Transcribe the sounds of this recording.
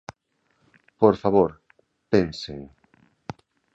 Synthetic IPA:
poɾfaβoɾ | penseŋ

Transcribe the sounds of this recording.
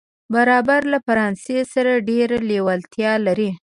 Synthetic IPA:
baɾɑbaɾlafaɾɑnsesaɾaɖeɾalewalt̪jɑlaɾi

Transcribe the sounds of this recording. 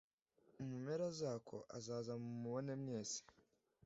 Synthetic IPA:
umumeɾazaːkʰo̞̰ʔazaːzamumuβone̞mɲe̞ːsi̥

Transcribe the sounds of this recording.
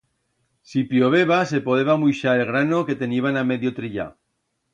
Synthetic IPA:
sipjoβeβase̞poðe̞βamujʃaelɣ̞ɾanoke̞t̪e̞niβaname̞ðjot̪ɾiʎa̰

